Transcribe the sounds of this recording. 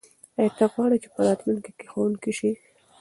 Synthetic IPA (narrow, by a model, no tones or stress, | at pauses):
ajt̪aɣwɑɽit͡ʃepəɾɑt̪munkekexowuŋkiʃi